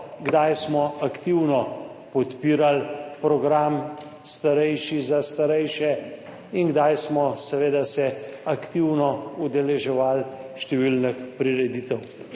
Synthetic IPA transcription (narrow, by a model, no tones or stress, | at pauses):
ɡd̪ajsmɔakt̪iwnɔ | pɔt̪piːɾalpɾɔɡɾam | st̪aɾɛjʃizast̪aɾɛjʃɛ | inɡd̪ajsmɔsɛʋeːd̪asɛakt̪iwnɔud̪ɛlɛʒɛʋalʃt̪ɛʋilnəxpɾiɾɛd̪it̪ɛw